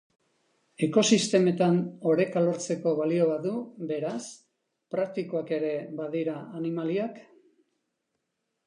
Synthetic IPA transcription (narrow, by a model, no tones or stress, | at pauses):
e̞ko̞sist̪e̞me̞t̪ano̞ɾe̞kalo̞ɾt͡se̞ko̞βalio̞βaðube̞ɾas | pɾak̚t̪iko̞ake̞ɾe̞βaðiɾaanimaliak